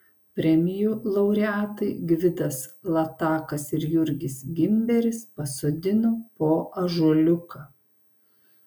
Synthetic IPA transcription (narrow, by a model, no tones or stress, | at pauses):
pʲɾʲɛmʲɪjuːlˠɐʊɾʲɛæːt̪ɐɪɡʲʋʲɪd̪ɐslˠɐt̪ɑːkɐsɪɾjʊɾʲɡʲɪsɡʲɪmʲbʲɛɾʲɪspɐsod̪ʲɪnoːpoːʔɐʒuɔlʲʊkɐ